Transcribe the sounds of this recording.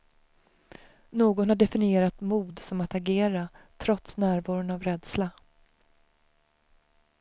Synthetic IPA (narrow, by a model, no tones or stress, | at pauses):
noːɡɔnhaɖɛfɪnɪeːɾat̪muːd̪sɔmat̪aɡeːɾat̪ʰɾɔt̪snæːɾvɑːɾʊnavɾɛd̪sla